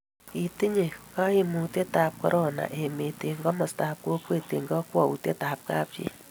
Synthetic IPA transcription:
i˨t̪i˦ɲe˨ka˦i˦mu˨t̪e˦t̪aːp̚ko̰˦ɾʔo˦na̰˨ʔe˨me˨t̪e˨ŋɡo˦mɔ˨st̪ap̚ko˦kwe˦˨t̪e˨ŋɡo˦kwɔ˨ṵ˨t̪e˦ta˨p̚ka̰ː˦pt͡ʃḭ˦

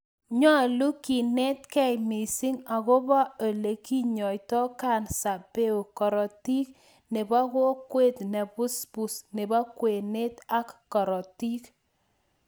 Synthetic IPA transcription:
ɲɔ˦˨lu˦ki˨ne˦t̚kɛ˦jmi˨si˦ŋa˨ko˦ba˦o˨le˨ki˦ɲɔ˨jtɔ˦ka˦˨nsa˨pe˦u˨kɔ˨ɾɔ˨ti˦k | ne˨ba˦ko˦kwe˦tnɛ˨pu˦spu˨sne˨ba˦kwe˨ne˦ta˦kːɔ˨ɾɔ˨ti˦k

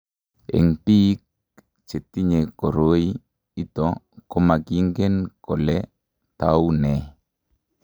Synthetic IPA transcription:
ḛ˨ŋpi˦k̚ | t͡ʃe˨t̪i˦ɲe˨ko˨ɾo˦i˦ | i˦t̪ɔ˨ | kɔ˦ma˨ɡi˦ŋɡe˦nkɔ˨lɛ˦ | t̪a˨u˦nɛ˨

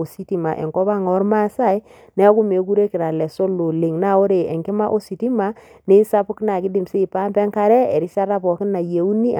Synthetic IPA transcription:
o˨si˦ti˦ma˨ʔḛ˨ŋkɔ˦βa˦ŋɔ˨˦ɾma˦sa˦i˦ | nɛ˦a˦ku˦me˨ku˦ɾe˦kɪ˨ɾa˨lɛ˨so˦lo˨li˨ŋna˦˨o˦ɾe˨e˨ŋɡɪ˦ma˦ʔo˦si˨ti˦ma˦ | ne˦i˦sa˦pʊ˦kɪ˦na˨kɪ˦dɪ˨mse˦i˨pa˦mbɛ˦ŋka˨ɾɛ˦e˨ɾi˦sa˦ɾa˦pɔ˨kɪ˦na˨je˨u˦ni˦˨

